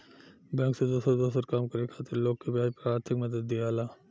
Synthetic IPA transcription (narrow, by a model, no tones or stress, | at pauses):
bɛ̃ːŋksed̪oːsəɾd̪oːsəɾkaːmkɐɾekʰaːt̪ɪɾloːɡkebɪaːpəɾaːɾt̪ʰɪkmɐd̪əd̪ːijaːlaː